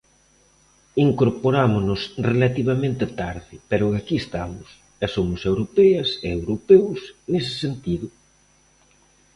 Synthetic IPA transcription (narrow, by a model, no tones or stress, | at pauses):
iŋkoɾpoɾamʊnʊsrelat̪iβamẽnt̪ɪet̪aɾðɪpeɾʊakiest̪amʊs | ɛsomʊsewɾopɛɐseewɾopewsnes̬ɪ̥sent̪iðʊ